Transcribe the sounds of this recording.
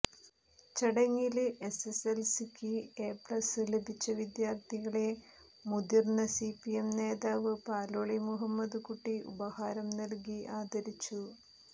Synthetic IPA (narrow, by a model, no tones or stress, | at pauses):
t͡ɕɐɽɐŋːilɨʔe̞seselsikːieːpɭɐsɨle̞bʱit͡ɕːɐʋid̪jaːrt̪ʰiɣɐɭe̞ | mud̪irnɐsipijemne̞ːðaːʋɨpaːloːɭimuɦɐmːɐd̪ukuʈːiʔṵbɐhaːɾɐmnɐlk̬iʔaːd̪ɐɾit͡ɕːu